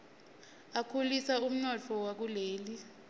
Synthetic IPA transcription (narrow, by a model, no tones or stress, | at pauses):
akʰulisaum̩nɔt͡fʰɔwak̬uleːli